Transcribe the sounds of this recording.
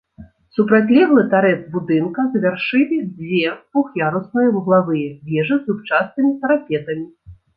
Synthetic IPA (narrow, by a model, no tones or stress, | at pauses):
supɾat͡sʲlʲɛɣlˠɨt̪aɾɛt̪bud̪ɨnkɐzvʲarʂɨlʲivʲɛpuxjaɾusnɐjɐwɣlˠavɨjɛvʲɛʐɨzut͡ʂasnɨmʲit̪ɐɾapʲɛt̪ɐmʲi